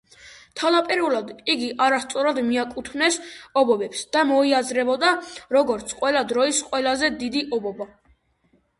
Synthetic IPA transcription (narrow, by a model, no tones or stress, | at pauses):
t̪ʰalapʼiɾulˠad̪iɡiʔaɾast̪sʼɔɾad̪miakʼut̪ʰmnɛsɔbɔbɛpsd̪̥amɔiazɾɛbɔd̪aɾɔɡɔɾt̪sʰqʼwɛlad̪ɾɔisqʼwɛlazɛd̪id̪iʔɔbɔba